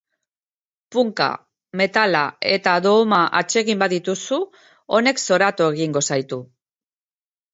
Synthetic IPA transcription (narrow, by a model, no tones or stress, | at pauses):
puŋka̰ | me̞t̪alae̞t̪aðo̞maʔat͡ʃe̞ɣimbaðit̪usu | o̞ne̞kso̞ɾat̪oe̞ɣiŋɡo̞sajt̪u